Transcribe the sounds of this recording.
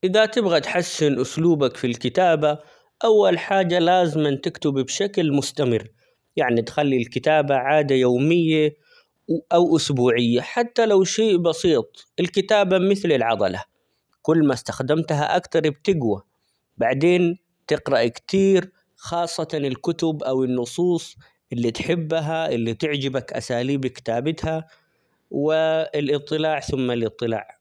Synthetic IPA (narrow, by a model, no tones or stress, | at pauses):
ʔɪðat̪ɪbɣat̪ħasːɪnʔʊsluːbakfilkɪt̪aːba | ʔawːalħaːd͡ʒːalaːzɪmant̪ɪkt̪ɪbbʃaklmʊst̪amɪ̰rː | jaʕnit̪xalːilkɪt̪aːbaʕaːd̪ajoːmɪjːa | ʔawʔʊsbuːʕɪjːaħat̪ːalawʃeːʔbɑsiːt̪ˤʔɪlkɪt̪aːbamɪθlɪlʕɑd̪ˤɑ̰la̰ | kʊlːmast̪axd̪amt̪ɦa̰ʔakt̪ɑɾˤbt̪ɪɡwa | baʕd̪eːn | t̪ɪqɾɑʔkt̪iːɾ | xɑːsˤːɑt̪ɑnɪlkʊt̪ʊbʔawɪnːʊsˤuːsˤ | ʔɪlːit̪ħɪbːɦaʔɪlːit̪ɪʕd͡ʒɪbakʔa̰saːliːbikɪ̥t̪aːbɪt̪ha | wɪɪlʔɨt̪ˤːɨlaːʕθʊmːalʔɨt̪ˤːɨla̰ːʕ